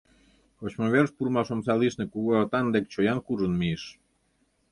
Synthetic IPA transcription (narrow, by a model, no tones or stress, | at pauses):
xot͡ɕmoβerʃpurmɑʃomsɑliʃnĕkuɣoːt̪ɑnd̪ek̚t͡ɕojɑnkuʒənmieʃ